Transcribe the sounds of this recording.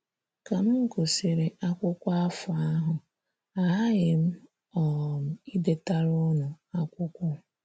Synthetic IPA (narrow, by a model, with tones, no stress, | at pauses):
ka˨m̩˦ŋ̩˨ko˨sɪ˨ɾe˨ʔa˦kʷʊ˦kʷʊ˦a˦fʊ˨a˦ɦʊ˨ | a˨ɦa˦ɣɪ˨m̩˦ | ɔ˨m̩˨i˦de˦ta˦ɾʊ˦nʊ˨a˦kʷʊ˦kʷʊ˦